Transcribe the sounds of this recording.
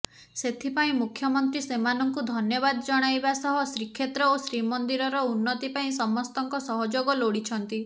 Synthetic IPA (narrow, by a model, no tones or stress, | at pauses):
set̪ʰipaĩmukʰjɔmɔnt̪ɾisemanɔŋkud̪ʱɔnjɔbad̪ɔd͡ʒɔɽ̃ajbasɔɦɔsɾikʰːet̪ɾɔosɾimɔnd̪iɾɔɾɔunːɔt̪ipaĩsɔmːɔst̪ɔŋkɔsɔɦɔd͡ʒoɡɔloɽit͡ʃʰɔnt̪i